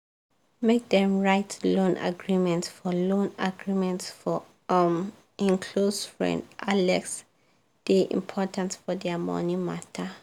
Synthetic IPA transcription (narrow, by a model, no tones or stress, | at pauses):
mek̚dɛ̃mɹaɪtʰlõnʔa̰ɡɹimɛ̃ntsfɔlõnaɡɹimɛ̃ntsfɔ | m | ĩŋkʰlosfɹɛ̰̃ndʔalɛks | d̥iʔḭ̃mpʰɔtʰãnsfɔdɛmɔ̰nĩmatʰə